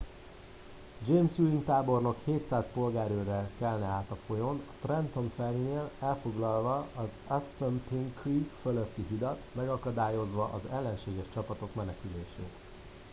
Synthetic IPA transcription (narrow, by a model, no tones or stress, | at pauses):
d͡ʒeːmsuint̪aːbo̞rno̞kheːt̪saːspo̞lɡaːɾøːɾɛkɛlnɛaːt̪ɒfo̞jo̞nɒt̪rɛnt̪o̞ɱfɛrineːlɛlfo̞ɡlɒlvɒɒz | ɛsːømpiŋkriːkføløt̪ːiɦid̪ɒt̪mɛɡɒkɒd̪aːjo̞zʋɒʔɒzɛlːɛnʃeːɡɛʃt͡ʃɒpɒt̪o̞kmɛnɛkyleːʃḛːt̪